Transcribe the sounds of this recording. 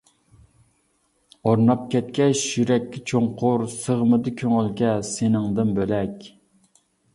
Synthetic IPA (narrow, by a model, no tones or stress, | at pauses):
oɾnɑp̚kʲʰɛt̪̚kʲɛʃjyɾɛkʲːɛt͡ʃʰoŋqʰʊɾsəʁəmɨd̪ɨkʲʰøŋylɡʲɛsenɪŋd̪ɨnbølɛkʲ